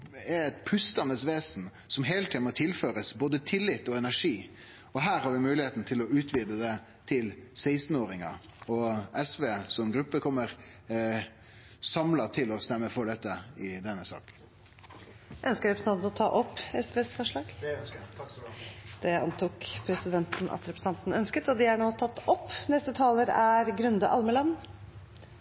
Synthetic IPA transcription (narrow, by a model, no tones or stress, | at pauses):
ɛɾɛt̪pʰʉst̪ɑnəsʋeːsn | sɔmɦeːlət̪ʰiːnmɔt̪ʰɪlføːɾəsboːd̪ət̪ʰɪlːɪt̪ːɔɛnæʂiː | ɔɦæːɾhɑɾʋɪmʉːlɪheːt̪n̩t̪ʰɪlɔʉːt̪ʰʋiːd̪əd̪ɛ | t̪ʰɪlsæɪst̪n̩oːɾɪŋɑ | ɔɛsʋeːsɔmɛnɡɾʉpːəkʰɔmːəɾ | sɑmlɑt̪ʰɪlɔst̪ɛmːəfɔɖ̪ɛt̪ːəɪd̪ɛnːəsɑ̰ːk | ʔœnskəɾɛpɾsn̩ɑnt̪nɔt̪ʰɑ̰ːʔɔpːɛsʋeːsfɔʂɭɑːɡ̥ | d̪̥ɛɑ̰nt̪uːkpʰɾɛsɪd̪ɛnt̪n̩ʔɑ̰t̪ɾɛpɾsn̩ɑnt̪n̩œnskət̪ɔd̪ɪæɳoːt̪ʰɑt̪ːɔpːnɛst̪ət̪ʰɑːləɾæɾɡɾʉnd̪əʔɑlməlɑnː